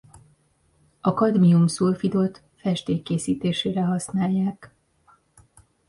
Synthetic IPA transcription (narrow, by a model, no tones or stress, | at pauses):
ɒkɒd̪miumsulfid̪o̞t̪ | fɛʃt̪eːkːeːsiːt̪eːʃeːɾɛɦɒsnaːjːaːk